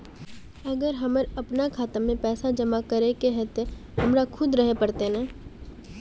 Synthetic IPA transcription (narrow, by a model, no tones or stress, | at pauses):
ɐɡəɾɦɐməɾɐpnakʰaːt̪əmẽpɛːsad͡ʒɐmakɐɾekeɦɛːt̪e | hɐmɾakʰʊd̪ɾəɦepɐɾt̪enɛ̃ː